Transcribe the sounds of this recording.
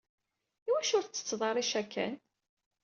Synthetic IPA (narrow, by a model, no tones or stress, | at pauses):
iwæʃʊɾθt͡sːə̥t͡sːðˤɑɾˤiʃækʰːæ̰n